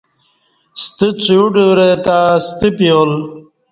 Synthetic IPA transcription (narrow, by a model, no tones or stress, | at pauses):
st̪it͡suuɖuɾet̪aːst̪ipijoːl